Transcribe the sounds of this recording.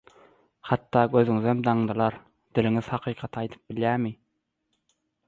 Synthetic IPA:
hɑt̪ːɑːɡʲøzyŋɪzɛmd̪ɑŋd̪ɯlˠɑɾ | d̪̥ɪlɪŋɪz̥hɑqʰiːqʰɑt̪ʰɑjt̪ʰɯ̥p̚bɪljæːɾmɪ

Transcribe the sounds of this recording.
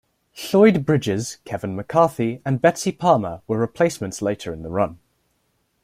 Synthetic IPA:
ɬɔɪd̚bɹɪd͡ʒɪz̥kʰɛvə̃nməkʰɑˑθiə̃nbɛtsipʰɑːməwəɹɪpʰl̥eɪsmə̃ntsleɪtʰəɹɪ̃nðəɹʌ̃n

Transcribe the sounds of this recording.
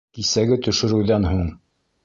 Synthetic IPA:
kisæɡɘt̪ɵ̆ʃɘ̆ɾɘ̆wðænɦuɴ

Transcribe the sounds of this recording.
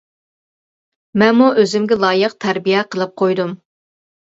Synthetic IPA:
mɛnmuʔøzɪmɡʲɛlˠɑːjəqt̪ʰæɾbijɛqʰəlˠɨp̚qʰojd̪um

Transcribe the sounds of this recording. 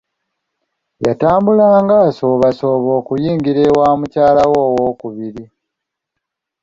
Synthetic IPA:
jataːmbulaːŋɡaːso̞ːβaso̞ːβo̞ːkujiːŋɡiɾewaːmucaːlawoːwo̞ːkuβiɾi

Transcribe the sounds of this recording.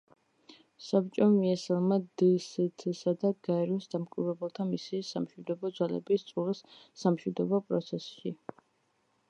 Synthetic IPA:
sap̚t͡ʃʼɔmiɛsalˠmad̪isit̪ʰsad̪aɡaɛɾiɔsd̪amkʼivɾɛbɛlˠt̪ʰamisisamʃwid̪ɔbɔd̪zwalɛ̰bist̪sʼulisːamʃwid̪ɔbɔpʼɾɔt̪sʰɛsʃi

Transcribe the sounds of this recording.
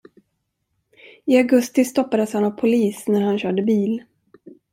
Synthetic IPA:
ɪaɡɵst̪ɪst̪ɔpːad̪əshanavpʰʊliːsnæɾhanɕœːɖəbiːl

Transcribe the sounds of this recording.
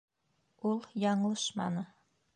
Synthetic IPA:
ulˠjɑɴlˠɤʃmɑ̰nɤ

